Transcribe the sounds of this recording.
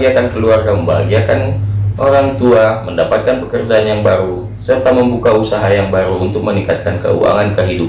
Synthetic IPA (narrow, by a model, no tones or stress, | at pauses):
iakankəluarkaməmbaɡiakanʔoɾaŋt̪uaməndapat̪̚kanpəkərd͡ʒaːnjaŋbaɾu | sərt̪aməmbukausaɦajaŋbaɾuːnt̪ʊk̚məniŋkat̪̚kankə̰ṵa̰ŋankəɦidup